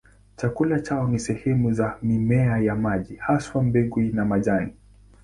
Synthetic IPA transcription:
t͡ʃakulat͡ʃaɔnisɛhɛmuzamimɛajamaʄihaswam̩bɛɠwinamaʄani

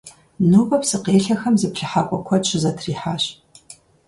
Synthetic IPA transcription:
nuːpʼɐpsɨqeːɬɐxɐmzɨpɬɨħaːkʷʼɔkʷʰɔt͡ʃʰɪzɐtʰriːħaːɕ

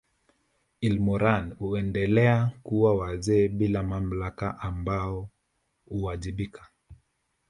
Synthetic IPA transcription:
ilmɔɾanhuɛndɛlɛakuwawazɛːɓilamam̩lakaʔambaɔ | huaʄiɓikḁ

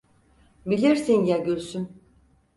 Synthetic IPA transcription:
bilʲiɾsinjaɟølʲsyn

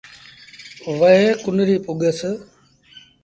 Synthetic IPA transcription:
ʋəɦeːkʊnɾiːpʊɠəs

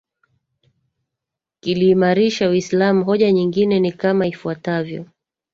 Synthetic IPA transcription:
kiliːmaɾiʃawislamuɦɔʄaɲiŋɡinɛnikamaifuatavjɔ̰

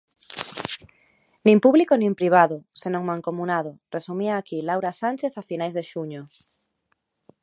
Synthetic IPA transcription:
nĩmpuβlikonĩmpɾiβ̞aðʊsenõŋmãŋkomunað̞ʊresumiaːkilawɾasanʲt͡ʃeθafinajzðeʃuɲo

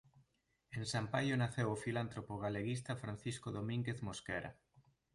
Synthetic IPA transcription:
ensampajonaθewofilant̪ɾopoɣaleɣis̬t̪afɾan̟θiskoðomĩŋɡeθmoskɛɾa̰

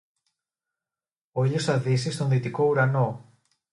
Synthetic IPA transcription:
oiʎosɐðisist̪o̞nðit̪iko̞uɾɐno̞

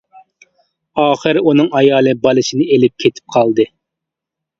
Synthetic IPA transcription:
ɑːχɨɾunɨŋɑjɑːlˠɨbɑlˠɨʃɨnɨelɪp̚kʲʰet̪ʰɪ̥p̚qʰɑlˠd̪ɨ

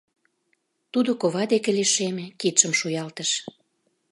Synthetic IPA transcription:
t̪ud̪okoβɑd̪ekĕliʃemĕkit̪ʃəmʃujɑlt̪əʃ

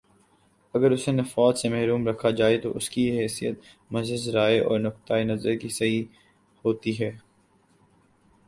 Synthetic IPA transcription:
ɐɡəɾʊsenɐfaːsemɛɦɾuːmɾɐkʰad͡ʒaːet̪oʔʊskiɦɛːsijət̪̚ | mɐzɪzɾaːeʔɔ̰ːɾnʊk̚t̪aːenɐzəɾkisɐɦi | hoːt̪iɦɛː

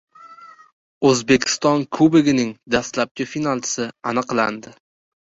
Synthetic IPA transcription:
ɵzbe̞kʲʰɪ̥st̪ɒnkʰʊbɪɡʲɪnɪŋd̪ast̪lap̚kʲafinalˠt̪ʰɪ̥sɪanɨqla̰nd̪ɪ

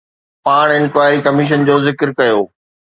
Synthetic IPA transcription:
paːɽ̃ɪnkwaːɪɾikɐmiʃ̬ənd͡ʑoːzɪkɾkɐjoː

